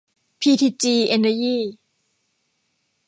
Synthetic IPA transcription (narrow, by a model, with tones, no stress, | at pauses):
pʰiː˧t̪ʰiː˧t͡ɕiː˧ʔe˧nːə˧jiː˥˩